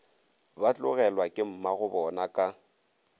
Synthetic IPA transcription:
bat͡ɬʼʊɣɛlwakʼɪm̩maɣʊbɔnakʼa

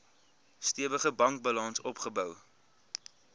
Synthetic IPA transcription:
stiəvəχəbɐŋk̚bɐlɐnsɔpχəbœw

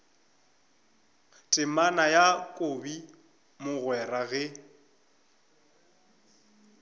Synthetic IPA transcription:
tʼɪmanajakʼobi | mʊɣwɛraɣɛ

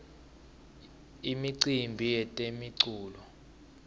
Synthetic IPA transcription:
imiǀimbʱijɛtʼemiǀuːlɔ

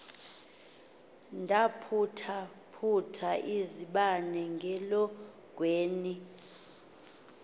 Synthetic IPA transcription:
ndʱapʰutʰa | pʰutʰaʔiziɓanɛŋɡʱɛlɔ | ɡ̥̬ʱweːni

